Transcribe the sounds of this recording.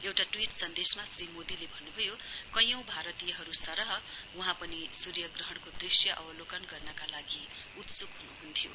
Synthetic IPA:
ewʈaʈwiʈsʌnd̪esmasrimod̪ilebʱʌnːubʱʌjokʌjʌ̃w̃bʱaɾʌt̪ijʌɦʌɾusʌɾʌɦʌuɦãpʌnisuɾjʌɡrʌɦʌɽ̃kod̪risjʌʔʌ̰bʌlokʌnɡʌrnʌkalaɡi | ut̪sukɦunuɦunt̪ʰjo̰

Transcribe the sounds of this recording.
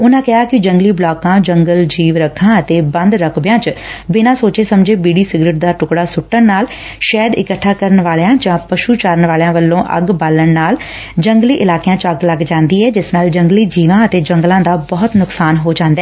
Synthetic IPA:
ʊnãːkɪɦaːkɪd͡ʒəŋɡliːblaːkãːd͡ʒəŋɡəld͡ʒiːʋɾəkʰːãːət̪eːbə̃nd̪ɾəkʰbɪjãːt͡ʃbɪnãːsoːt͡ʃeːsəmd͡ʒeːbiːɽiːsɪɡɾɪʈ̚d̪aːʈʊkɽaːsʊʈːəɳnaːl | ʃɛːd̪ɪ̰kəʈʰːaːkəɾəɳʋaːljãːd͡ʒãːpəʃuːt͡ʃaːɾənʋaːljãːʋəlːõːʔə̰ɡbaːləɳnaːl | d͡ʒəŋɡliːʔɪlaːkejãːt͡ʃəɡləɡd͡ʒãːnd̪iːɛːd͡ʒɪsnaːld͡ʒəŋɡliːd͡ʒiːʋãːət̪eːd͡ʒəŋɡlãːd̪aːbɔːt̪nʊksaːnɦoːd͡ʒãːnd̪aɛ

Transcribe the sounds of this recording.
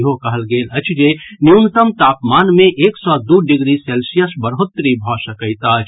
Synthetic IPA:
ɦokəɦəlɡeːlət͡ʃʰd͡ʒenint̪əmt̪aːpmaːnmẽʔeːksɔd̪uɖɪɡɾiselsijəsbəɾɦʊt̪ːɾibʱɔsəkəɪt̪at͡ʃʰ

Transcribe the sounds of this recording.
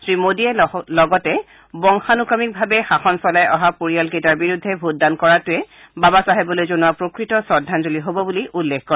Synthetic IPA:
sɹimodiɛlɔɡɔtɛ | bɔŋxanukamik̚bʱabɛxaxɔnsɔlajʔɔɦapoɹijalketaɹbiɹudʱːɛbʱut̚dankɔɹatʊɛ | babasaɦɛbɔlojzonuwapɹokɹitɔsɔdʱːanzoliɦobɔbuliʔulːekkɔɹ

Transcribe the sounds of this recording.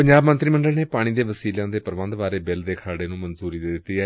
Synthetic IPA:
pəɲd͡ʒaːbmə̃nt̪ɾiːmə̃ɳɖəlneːpaːɽ̃iːd̪eːʋəsiːlãːd̪eːpəɾʋə̃nd̪ʋaːɾeːbɪld̪eːkʰaːɽeːnũːmənzuːɾiːd̪ɪd̪ɪt̪ːiːɛː

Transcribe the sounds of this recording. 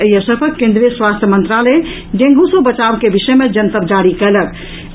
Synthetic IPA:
əjəsəɾpʰəkẽnd̪ɾijəswast̪ʰjəmənt̪ɾalə | d͡ʒẽŋɡusobət͡ʃabkebiʃəmed͡ʒənt̪əp̚d͡ʒaɽikɛlək

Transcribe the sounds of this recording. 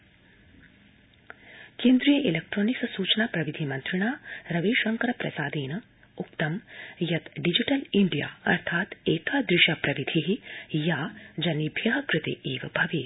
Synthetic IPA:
kẽːnd̪ɾijɐʔilek̚ʈɾoːnikssuːt͡ʃnapɾɐʋid̪ʱimɐnt̪ɾiɳ̃aːɾɐʋeːʃɐŋkɐɾɐpɾɐ̰saːd̪eːnɐ | uk̚t̪ɐmjɐt̪ɖid͡ʒiʈɐliɳɖija̰ːɐ̰ɾt̪ʰaːt̪eːt̪ʰaːd̪ɾɪʃaːpɾɐʋid̪ʱiɦijaːd͡ʒɐnːibʱjɐɦɐkɾɨt̪ḛʔeːʋɐbʱɐʋeː

